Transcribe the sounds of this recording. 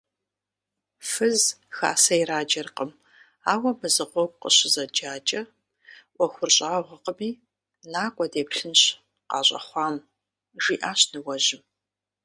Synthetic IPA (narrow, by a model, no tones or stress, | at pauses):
fɨzxa̰ːsɐiɾaːd͡ʒɐrqəm | aːwɐmɨzɨqʷɔɡʷqə̰ɕɪzɐd͡ʒaːt͡ʃʼɐ | ʔʷɔxʷʊrɕʼaːʁʷɐqəmiː | naːkʷʼɔdeːpɬɨnɕ | qɑ̰ːɕʼɐ̰χʷɑːm | ʒiːʔaːɕnɨwɐʒɪm